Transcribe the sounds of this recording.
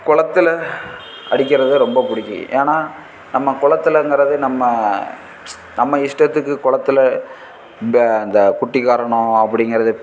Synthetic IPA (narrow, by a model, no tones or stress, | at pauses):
kʊɭɐt̪ːɯlɐ | ɐɽɪk̬ʲːɪɾɐðɯɾɔmbɐpʊɽɪkːɯ̰ʔḛːnaː | nɐmːɐkʊɭɐt̪ːɯlɐŋɡɐɾɐðɯnɐmːɐ | nɐmːɐɪʂʈɐt̪ːɯkːɯkʊɭɐt̪ːɯlɐ | ɐnd̪ɐkʊʈːɪkːaːɾɐɳʊ̃ɐpːɐɽɪŋɡɐɾɐðɯ